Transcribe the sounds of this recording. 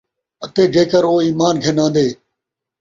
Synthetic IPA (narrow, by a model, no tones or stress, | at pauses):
ət̪eːd͡ʒeːkəɾoːiːmaːnɡʱenãːnd̪eː